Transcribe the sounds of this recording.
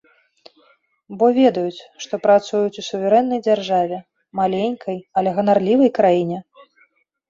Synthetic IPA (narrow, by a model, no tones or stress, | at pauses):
bɔvʲɛd̪ɐjut͡sʲʂt̪ɔpɾat̪sujut͡sʲusuvʲɛɾɛnːɐjd͡zʲarʐavʲɛ | malʲenʲkʰɐjɐlʲɛɣɐnarlʲivɐjkɾajinʲɛ